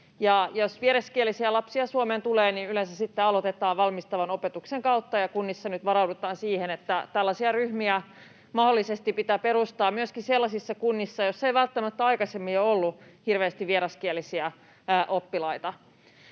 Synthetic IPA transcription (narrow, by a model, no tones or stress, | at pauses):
jɑjosʋieɾɑskielːisiælɑpsiɑsuoment̪uleːninylẽnsæsit̪ːeɑlot̪et̪ɑːʋʋɑlmist̪ɑʋɑnopet̪ukseŋkɑut̪ːɑjɑkunːisːɑnyt̪ʋɑɾɑwdut̪ˑɑːnsiːhenet̪ːæt̪ælːɑsiɑryhmiæ | mɑholːisest̪ipit̪æpeɾust̪ɑːmyøskiselːɑsisːɑkunːisːɑjosːejʋælt̪ːæmæt̪ːæɑikɑsemːiɑolːuhirʋeːst̪iʋʋieɾɑskielːisiæ | ʔopːilɑit̪ɑ